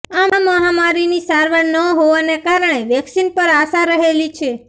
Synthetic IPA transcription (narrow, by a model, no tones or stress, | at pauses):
amaməɦamaɾinisaɾʋəɾnəɦoʋanekaɾəɳeʋɛksinpəɾasaɾəɦelit͡ʃʰe